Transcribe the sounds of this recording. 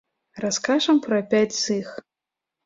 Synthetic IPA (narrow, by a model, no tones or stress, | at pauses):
raskaʐɐmpɾɐpʲat͡sʲzɨx